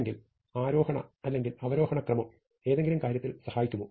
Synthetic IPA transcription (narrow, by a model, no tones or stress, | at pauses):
ŋɡil | aːɾo̞ːhɐɳɐ̰ɐlːe̞ŋɡilɐʋɐɾo̞ːhɐɳɐkrɐmɐm | e̞ːðe̞ŋɡilumkaːɾjɐt̪ːilsɐhaːjikʲːumːu